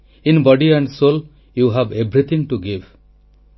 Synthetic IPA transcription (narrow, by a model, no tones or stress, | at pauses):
inbɔɖiæ̃ɳɖsol | juɦæbebɾit̪ʰĩŋʈuɡiv